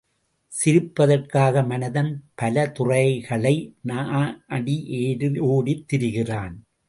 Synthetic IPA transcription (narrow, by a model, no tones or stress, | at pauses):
sɪɾɯpːɐðɐrkaːɣɐmɐnɐðɐnpɐlɐt̪ʊrɐɪɣɐɭɐɪnaʔɐɽiʔeːɾɯoːɽit̪ːɪɾɯɣɪraːn